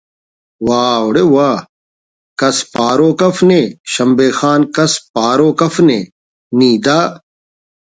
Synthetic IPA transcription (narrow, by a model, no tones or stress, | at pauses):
waːoɽewaː | kɐspaːɾoːkɐfneːʃɐmbeːxaːnkɐspaːɾoːkɐfnḛː | nĩːd̪aː